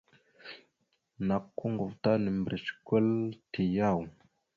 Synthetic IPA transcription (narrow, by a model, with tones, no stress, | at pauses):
na˨kːu˦ŋɡu˨vta˦nə˨mbɾə˨skʷə˦lti˨ja˦˨w